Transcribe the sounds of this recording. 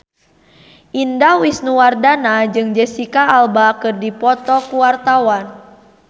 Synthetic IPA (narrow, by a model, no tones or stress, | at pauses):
ʔindawisnuwardanad͡ʒɨŋd͡ʒɛsikaːlbakɨrdipɔt̪ɔkuwart̪awan